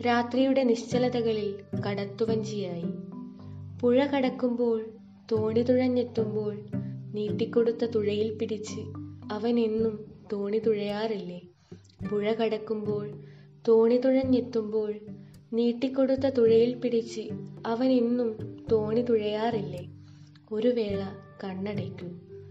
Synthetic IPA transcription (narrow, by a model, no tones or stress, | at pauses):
ɾaːt̪rijuɽe̞niɕt͡ɕɐlɐðɐɣɐɭilkɐɽɐt̪ːuʋɐɲd͡ʑijaːji | puɻɐkɐɽɐkːumbo̞ːɭ | t̪oːɳit̪uɻɐɲːet̪ːumbo̞ːɭniːʈːikʲːo̞ɽut̪ːɐt̪uɻɐjilpiɽit͡ɕːɨɐʋɐninːumt̪oːɳit̪uɻɐjaːrilːe | puɻɐkɐɽɐkːumbo̞ːɭ | t̪oːɳit̪uɻɐɲːit̪ːumbo̞ːɭ | niːʈːikʲːo̞ɽut̪ːɐt̪uɻɐjilpiɽit͡ɕːɨɐʋɐninːumt̪o̞ːɳit̪uɻɐjaːrilːe | o̞ɾuʋe̞ːɭɐ | kɐɳːɐɽɐkʲːum